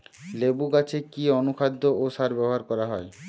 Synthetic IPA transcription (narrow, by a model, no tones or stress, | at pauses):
lebuɡat͡ɕʰekionukʰad̪ʱːoʔoʃaɾbɛboɦaɾkɔɾaɦɔe